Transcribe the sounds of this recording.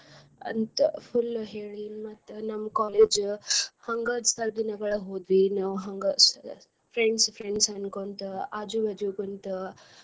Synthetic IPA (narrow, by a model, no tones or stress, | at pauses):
ɐ̰nt̪pʰulɦeːɭimɐt̪ːnɐmːɐkaːleːd͡ʒhɐŋɡɐd̪sɐɾd̪inɐɡɐɭɐɦoːd̪ʋinaːʋɦɐŋɡɐs | pʰɾeɳɖspʰɾeɳɖsɐnkont̪uaːd͡ʒuʋɐd͡ʒuɡɐnt̪u